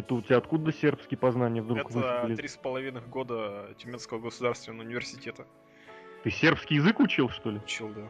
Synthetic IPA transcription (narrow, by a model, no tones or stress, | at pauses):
ɛt̪əʊt̪ʲtʲɪaɐt̪kud̪əsʲe̞rpskʲɪjəpɐznanʲɪjəvd̪ɾukvɨlʲɪɾʲispəlˠɐvʲinɨxɡod̪ətʲɪmʲenskəvəɡəsʊd̪arst̪vʲɪnəvəʊnʲɪvʲɪrsʲɪtʲet̪ə | t̪ɨsʲe̞rpskʲɪijɪzɨkʊt͡ɕilˠʂt̪o̞lʲɪt͡ɕilˠd̪a